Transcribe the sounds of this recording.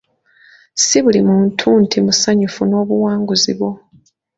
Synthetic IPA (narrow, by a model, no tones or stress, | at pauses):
siβulimuntʰuːntʰimusaɲufuno̞ːβuwaːŋɡuziβo̞